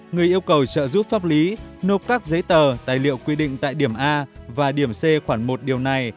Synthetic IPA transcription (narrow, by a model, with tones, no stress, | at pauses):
ŋɨ˨˩əjʔi˧əwkə˨˩wt͡ɕə̰ː˧˨zu˦˥p̚faː˦˥p̚li˨˦no˦˥t̚kaː˦˥k̚zə˨˦jt̪əː˨˩t̪aː˨˩jlḭ˧˨əwkwi˧ɗḭ˧˨ŋ̟t̪a̰ː˧˨jɗi˧˩əmʔaː˧vaː˨˩ɗi˧˩əmse˧xwaː˧˩ŋmo˨˩t̚ɗi˨˩əwna˨˩j